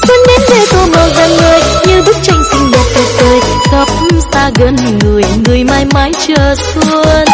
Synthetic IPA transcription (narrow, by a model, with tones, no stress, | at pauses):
sə˧nme˨˦nve˧˩t̪o˧ma˨˩wzə˧˩ŋləː˧jɲɨ˧ɗɨ˦˥k̚t͡ɕa˧˩jŋ̟sï˧ŋlə˨˩t̚t̪ə˧˩k̚t̪əː˧jzə˨˩p̚saː˧ɣə˧n | ŋɨ˨˩əjŋɨ˨˩əjmaː˧jma˨˦jt͡ɕəː˧˩su˧ən